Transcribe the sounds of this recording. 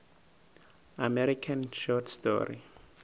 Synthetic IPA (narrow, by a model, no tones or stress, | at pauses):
amɛɾikʰãnʃɔtstɔ̰ɾḭ